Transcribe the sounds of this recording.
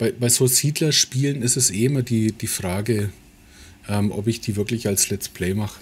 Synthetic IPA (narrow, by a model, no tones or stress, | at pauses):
b̥aɪbaɪzoːziːdlɐʃpiːlənɪstɛseːɪmɐdiːd̥iːfʁ̥aːɡə | ʔɛːmʔɔ̰pɪçd̥iːvɪɐklɪçalslɛt͡spʰl̥ɛɪmaχə